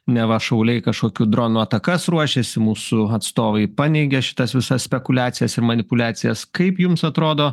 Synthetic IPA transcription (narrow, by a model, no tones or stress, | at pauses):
nʲɛʋɐʃɐʊlʲɛɪkɐʃkoːkʲuːd̪ɾoːnuːɐt̪ɐkɐsɾuɔʃʲɛsʲɪmuːsʊɐt̪st̪oːʋɐɪpɑːnʲɛɪɡʲɛʃʲɪ̥t̪ɐsʋʲɪsɐssʲpʲɛkʊlʲæːt̪sʲɪjɛsɪɾmɐnʲɪpʊlʲæːt̪sʲɪjɛskɐɪpjʊmsɐt̪ɾoːd̪oː